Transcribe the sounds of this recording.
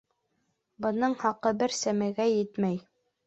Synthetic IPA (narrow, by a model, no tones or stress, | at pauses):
bɤ̆nɤɴhɑqɤbɘɾsæmæɡæjɘt̪mæj